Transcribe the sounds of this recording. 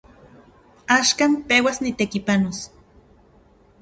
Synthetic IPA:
aːʃkaːmpeːwasnit̪ekipanos

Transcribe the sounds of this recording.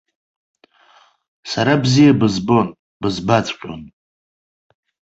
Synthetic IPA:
saɾabzijabɨzbo̞n | bɨzbat͡sʼqʲʷʼo̰n

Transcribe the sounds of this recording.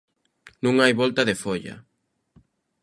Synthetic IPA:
nũŋajβɔlt̪ɐðefoʎɐ̰

